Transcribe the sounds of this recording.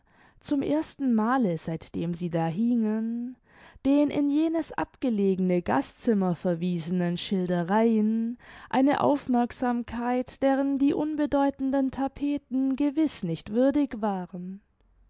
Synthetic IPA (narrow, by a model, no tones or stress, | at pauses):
t͡sʊmʔḛːɐstn̩maːləz̥aɪtd̥eːmziːdaːɦiŋən | d̥eːnʔɪ̰njeːnəsʔa̰pɡ̥əleːɡənəɡa̰stt͡sɪmɐfɛɐviːzənənʃɪldəʁaɪənʔa̰ɪnə̰ʔa̰ʊfmɛɐkz̥aːmkʰaɪtd̥eːʁ̞əndiːʔʊnbədɔʏtn̩dəntʰapʰeːtn̩ɡəvɪsnɪçtv̥ʏɐdɪçv̥aːʁən